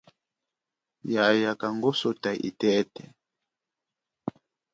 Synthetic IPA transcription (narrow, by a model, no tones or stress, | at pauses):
jajakaŋɡosotaʔḭtɛtɛ